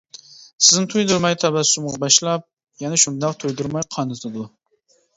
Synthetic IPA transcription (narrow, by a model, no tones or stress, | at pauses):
sɪznɪt̪ʰujd̪uɾmɑjt̪ʰɑbæsumʁbɑʃlˠɑp̚ | jɛnɛʃund̪ɑqt̪ʰujd̪uɾmɑjqʰɑnɨsɨd̪ʊ